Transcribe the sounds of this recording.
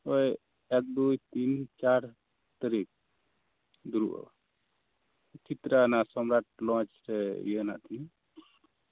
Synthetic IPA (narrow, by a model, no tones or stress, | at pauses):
ɔj | ɛk̚d̪ujt̪int͡ʃaɾ | t̪əɾik̚ | d̪uɾṵʔɔ̰ | t͡ʃit̪ɾanasɔmɾaʈ̚lɔ̃t͡ʃɾɛjena̰ʔt̪i